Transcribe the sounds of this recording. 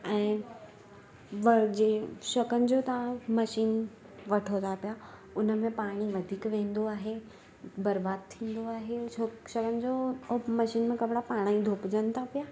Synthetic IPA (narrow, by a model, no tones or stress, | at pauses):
ɛ̃ː | ʋɐd͡ʑeːʃɐkənɪ̆d͡ʑoːt̪ãmɐʃiːn | ʋɐʈʰot̪ʰapija | ʊnə̆mẽpaːɽ̃iʋɐd̪ʱiːkʋẽːnd̪oaːɦe | bɐɾbaːd̪̚t̪ʰĩːn̆d̪oaːɦeoʃɐkənɪ̆d͡ʑomɐʃiːnmẽkɐbɽapaːɽ̃aĩd̪ʱoːpd͡ʑənɪ̆t̪ʰapijaː